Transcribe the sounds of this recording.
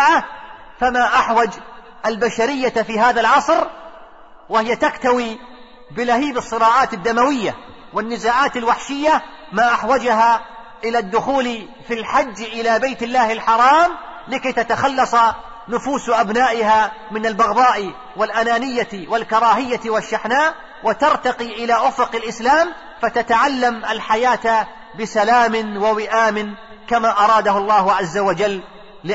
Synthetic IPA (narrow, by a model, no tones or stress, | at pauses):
ʕa | famaʔaħwad͡ʒ | ʔalbaʃaɾɪjːafiːɦaːðalʕɑsˤɾ | wɪhɪjːat̪akt̪awi | bɪlahiːbɨsˤːɨɾɑːʕɑːt̪ɪd̪ːamawɪjːa | wɪnːɪzaːʕaːt̪alwaħʃɪjːamaʔaħwad͡ʒɦa | ʔɪlad̪ːʊxuːl | filħad͡ʒːʔɪlabajt̪ɪlːaːhɪlħɑɾˤɑːm | lɪkajt̪at̪axɑlːɑsˤɑ | nʊfuːsʔabnaːʔɪɦaːmɪnalbɑɣd̪ˤɑːʔ | walʔanaːnɪjːawalkɑɾˤɑːɦɪjːawaʃːaħnaːʔ | wʔɪt̪ɑɾˤt̪ɑqiʔɪlaːʔʊfʊqɪlʔɪslaːm | fat̪at̪aʕalːamʔalħajaːt̪ | bɪsalaːmɪnwawɪʔaːmɪn | kamaːʔɑɾˤɑːd̪ahʊlˤːɑːhʊʕazːawad͡ʒalː | ɪ